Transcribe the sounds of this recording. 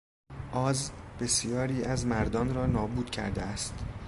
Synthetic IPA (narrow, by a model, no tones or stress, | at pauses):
ʔɒːzb̥e̞sijɒːɾiːʔæzmæɾd̪ɒːnɾɒːnɒːbuːd̪̥cʰæ̰ɾd̪eæst̪